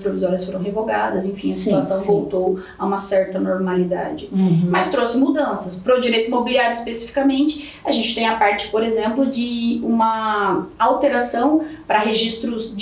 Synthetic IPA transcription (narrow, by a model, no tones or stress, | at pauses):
pɾovizɔɾiɐsfoɾɐ̃w̃ɦevoɡad̪ɐzẽfĩɐsit̪uasɐ̃w̃vowt̪owaũmɐsɛɾt̪ɐnoɾmalid̪a̰d͡ʒɪmɐst̪ɾosɪmud̪ɐ̃sɐspɾɔd͡ʒiɾejt̪ʊimobiliaɾjʊispesifi̥kɐmẽnt͡ʃɪ̥ | aʒẽnt͡ʃɪt̪ẽj̃ɐpaɾt͡ʃɪ̥poɾezẽmplʊd͡ʒɪũmɐawt̪eɾasɐ̃w̃pɾɐɦeʒist̪ɾʊzd͡ʒ